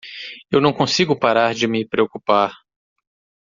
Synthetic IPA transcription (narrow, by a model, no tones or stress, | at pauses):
ewnɐ̃w̃kõsiɡʊpaɾaɾd͡ʒɪmɪpɾeokupaɾ